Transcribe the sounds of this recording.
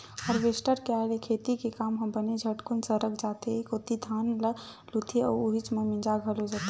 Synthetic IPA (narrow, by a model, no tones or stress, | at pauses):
ɔɾʋesʈəɾkealekʰet̪ikekaːmɦə̃mbəned͡ʒʱəʈkunsəɾəkd͡ʒat̪ekot̪id̪ʱaːnlə | lut̪ʰiɔuɦit͡ʃmemĩnd͡ʒaɡʱəlod͡ʒat̪